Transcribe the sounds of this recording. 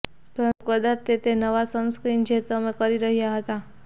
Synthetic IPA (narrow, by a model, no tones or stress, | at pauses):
pəɾənt̪ukəd̪aɾt̪et̪enəʋasənskɾind͡ʒet̪əmekəɾiɾəɦjaɦət̪a